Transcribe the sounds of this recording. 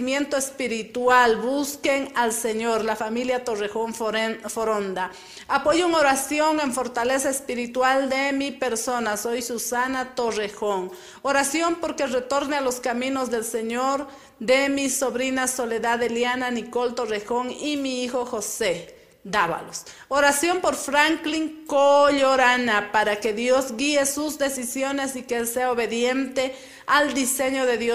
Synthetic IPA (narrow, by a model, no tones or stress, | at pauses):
mje̞nt̪oespiɾit̪walbuskeŋalseɲoɾlafamiljat̪orexoŋfoɾond̪a | apoʝoeŋoɾasjoŋeɱfo̞ɾt̪alesaespiɾit̪wald̪emipeɾsonasojsusanat̪orexoŋ | oɾasjompoɾkeret̪o̞ɾnealoskamĩnozðe̞lseɲoɾ | d̪emisoβɾinasoleðaðeljananikolt̪orexoŋimiixoxose | d̪aβa̰los | oɾasjompoɾfɾaŋkliŋkoʎoɾanapaɾakeðjozɡiesuzd̪esisjonesikeelseaoβeðjent̪e | ald̪iseɲoðeðjo